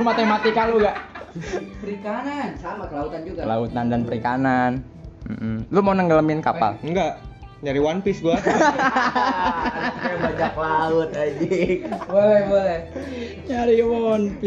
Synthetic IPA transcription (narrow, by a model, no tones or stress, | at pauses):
mat̪emat̪ikaluɡaʔ | pəɾikanansamakəlaut̪and͡ʒuɡaəla̰ut̪andanpəɾikanan | m̩ʔm̩lʊmaunəŋɡələmɪnkapa̰lŋɡaʔ | ɲaɾiwanpɪsɡua | abaɲaklaʊt̪̚ad͡ʒibolɛhbolɛh | ɲaɾiwanpɪ